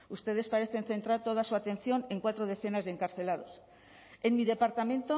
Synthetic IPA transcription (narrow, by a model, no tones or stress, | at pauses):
ust̪e̞ð̞e̞spaɾeθe̞nθe̞nt̪ɾaɾt̪o̞ð̞asuat̪ẽ̞n̟θjo̞ne̞ŋkwat̪ɾoð̞e̞θe̞nazðeŋkaɾθe̞lað̞o̞s | enmiðe̞paɾt̪amẽ̞nt̪o